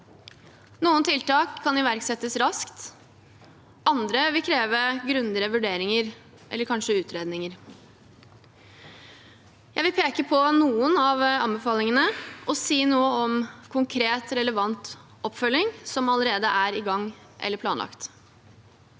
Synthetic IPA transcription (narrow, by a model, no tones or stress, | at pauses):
nuːənt̪ʰɪlt̪ɑːkʰːɑnɪʋæɾksɛt̪ːəsɾɑskt̪ | ʔɑnd̪ɾəʋɪlkʰɾeːʋəɡɾʉnd̪əɾəʋʉɖeːɾɪŋəɾ | ʔɛ̰lːəɾkʰɑnʂəʉːt̪ɾeːd̪nɪŋəɾ | jæɪʋɪlpʰeːkəpʰɔnuːənɑʋɑ̰nbəfɑːlɪŋənəɔsiːnuːəɔmkʰʊŋkʰɾeːt̪ɾɛləʋɑnt̪ | ɔpːfœlːɪŋsɔmɑləɾeːd̪əʔæɾɪɡɑŋː | ʔɛ̰lːəɾpʰlɑːnlɑ̰kt̪